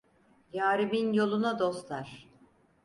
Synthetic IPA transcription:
jaːɾibinjo̞lˠunad̪o̞slaɾ̥

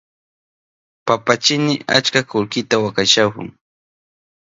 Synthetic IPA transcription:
papat͡ʃɪnɪa̰t͡ʃkakʊlkɪt̪awakaʃakʊ̰ŋ

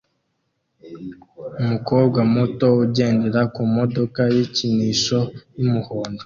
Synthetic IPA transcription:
umuko̞ːbɡwamoto̞uɟe̞ːndeɾakumodo̞kajiciniʃojumuhoːndo

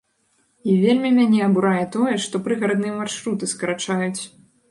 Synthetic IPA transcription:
ivʲelʲmʲimʲanʲɛɐbuɾajɛt̪ɔjɛʂt̪ɔpɾɨɣɐɾɐd̪nɨjɛmarʂɾut̪ɨskɐɾat͡ʂajut͡sʲ

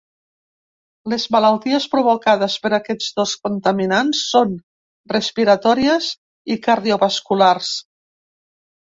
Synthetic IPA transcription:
lezmələlˠt̪iespɾuβokað̞əspəɾakɛd͡zðoskunt̪əminansːon | respiɾət̪ɔɾiəz | ikaɾðioβəskulars

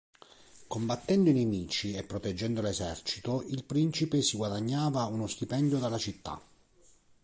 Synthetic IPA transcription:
kombat̪ːɛnd̪ʊinemiːt͡ʃiepːɾot̪ɛd͡ʒːɛnd̪olesɛrt͡ʃit̪oilpɾint͡ʃipesiɡwad̪aɲːaːvaunost̪ipɛnd̪jod̪alːat͡ʃit̪ːa̰

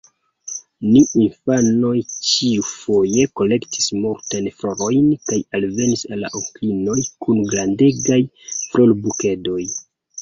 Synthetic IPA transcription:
niinfano̞jt͡ʃiufo̞je̞ko̞le̞kti̥smuɾtajnfɾo̞ɾo̞jnkajalve̞nisalːa̰ʔoklino̞jkʰunɡɾande̞ɡaj | fɾolbuke̞do̞j

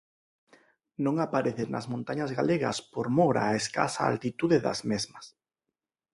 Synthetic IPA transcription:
nõŋapaɾeθenɐ̰zmõnt̪aɲazɣaleɣɐ̰spoɾmoɾa̰ːeska̰sa̰a̰lt̪it̪uðɪðɐ̰zmezmɐs

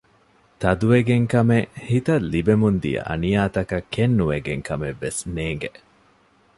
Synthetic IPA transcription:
t̪ɐd̪uʋeɡeŋkɐmehit̪ɐlːibemund̪ḭɐ̰ʔɐ̰nijaːt̪ɐkɐkːenːuʋeɡeŋkɐmeʋːesneːŋɡeʔ

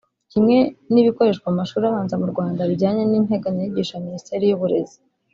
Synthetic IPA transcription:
cimŋe̞niβiko̞ɾe̞ʃkwamumaʃuːɾaβaːnzamuɾɡwaːndaβiɟaːɲe̞nin̥ɦe̞ɡaɲiɟiːʃaministe̞ːɾijuβuɾe̞̰zi̥

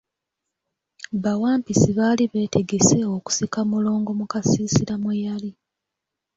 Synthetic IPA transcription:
βawaːmpisiβaːliβe̞ːte̞ɡe̞se̞o̞ku̥sikamulo̞ːŋɡo̞mukasiːsiɾamwujali

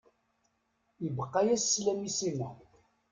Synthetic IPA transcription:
əbəqːɑjæsːlæmisimæ

